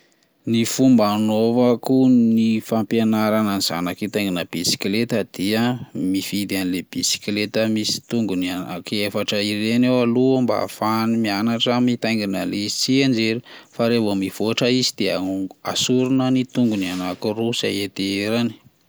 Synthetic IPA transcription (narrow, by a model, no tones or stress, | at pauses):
nifumbanovakunifampanaɾananiz̥a̰nakit̪ajŋɡinəb̥isi̥klet̪əd̪̥iəmifid̪ianileb̥isi̥klet̪əmisi̥t̪uŋɡuniana̰kefaʈ͡ʂəirenewalumba̰fanimianaʈ͡ʂəmit̪ajŋɡinəleizit͡siand͡ʒeɾifaɾevomiv̥oaʈ͡ʂəizid̪̥eaa̰suɾunənit̪uŋɡunianakurusa̰et̪eeɾani̥